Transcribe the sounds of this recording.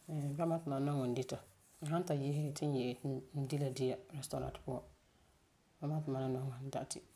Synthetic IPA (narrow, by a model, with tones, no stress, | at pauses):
ba˦ma˦tɪ˨ma˨nɔ˦ŋɔ˨n̩˦dɪ˦ta˨ | ɦa˦n˦ta˨je˦hɪ˦˨tʰɪ˦n˦jɛ˨ʔn̩˦di˦la˨dɪ˦ja˦ɾɛ˦sto˨ɾa̰˨tpʊ˦ɔ˦ | ba˦ma˦pɪ˨ma˨na˦nɔ˦ŋɔ˨n̩˦da˦ʔtɪ̰˨